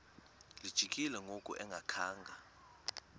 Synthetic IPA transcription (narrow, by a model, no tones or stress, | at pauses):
lid̥ʒ̥ʱikʼilɛŋʱokʼṵʔɛŋɡʱakʰaːŋɡʱa